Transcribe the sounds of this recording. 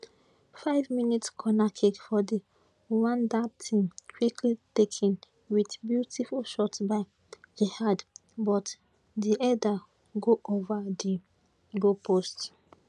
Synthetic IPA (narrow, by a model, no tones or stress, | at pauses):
faɪvminitskʰɔnakʰɛtfɔdi | wãndatʰĩmkʰwikʰlitekʰɛ̃n | widbjutifulʃɔtbaɪ | d͡ʒehadbɔt | diʔɛda | ɡoʔovadi | ɡopʰost